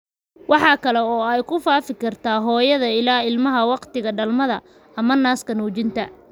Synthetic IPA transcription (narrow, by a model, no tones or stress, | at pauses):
wɑħɑːkʰɐlɛɔːɛjkʰʊfaːfɪkʰɐrt̪ʰaːɦɔːjɐðɐɪlaːɪlmɐɦɐwɑqt̪ɪɣɐɖɐlmɐðɐ̰ | ɐmɐnaːskʰɐnuːt͡ʃɪnt̪ʰɐ